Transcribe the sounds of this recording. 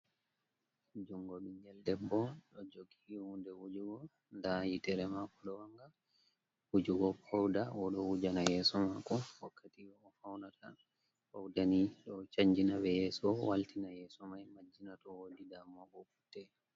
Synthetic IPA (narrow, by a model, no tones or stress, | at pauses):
d͡ʒɔŋɡɔɓiɲɡɛldɛbːɔɗɔd͡ʒoɡihundɛwud͡ʒuɡɔ | ndajitɛɾɛmakɔɗɔwaŋɡa | wud͡ʒuɡɔpʰawdawɔɗɔwud͡ʒanajɛːsɔmakɔwakːatiɔːfawnatʰa̰ | pawdaniɗɔt͡ʃaɲd͡ʒinabɛjɛːsɔwaltinajɛːsɔmajmad͡ʒːinatɔwodidamɔɡɔfu̥tːɛ